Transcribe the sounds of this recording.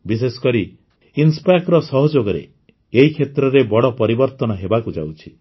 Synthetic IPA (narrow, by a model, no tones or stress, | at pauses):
bis̬esɔ̥kɔɾi | inspajkɾɔsɔɦɔd͡ʒoɡɔɾḛ | eɦikʰet̪ɾɔɾebɔɽɔpɔɾibɔɾt̪ɔnɔɦebakud͡ʒa̰wt͡ʃʰi